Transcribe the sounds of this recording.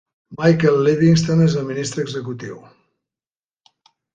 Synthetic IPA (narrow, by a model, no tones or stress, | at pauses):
majkelˠːiðiŋst̪onezəlminist̪ɾəːɡzəkut̪iw